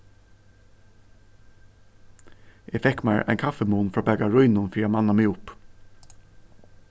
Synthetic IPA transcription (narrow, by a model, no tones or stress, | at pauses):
ʔeːfɛkmæɹʔæ̰ɪnkʰɑfɛmuːnfɹɑːbæːɡaɹʊʏnʊnfiːamɑnɑmɪʊp